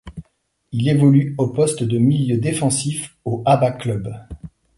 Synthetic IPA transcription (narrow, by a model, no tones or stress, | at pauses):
ilevɔlyopɔst̪d̪əmiljød̪efɑ̃sifoʔabaklœb